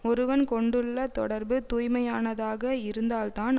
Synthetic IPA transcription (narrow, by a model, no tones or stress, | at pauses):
ɔɾɯʋɐnkɔɳɖɯɭːɐt̪ɔ̰ɽɐɾbɯt̪uːjmɐjaːnɐðaːɣɐɪɾɯnd̪aːlt̪aːn